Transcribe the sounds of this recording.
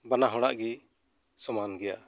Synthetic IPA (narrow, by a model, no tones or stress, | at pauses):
banaɦɔɽ̃aʔɡi | sɔmanɡɛja̰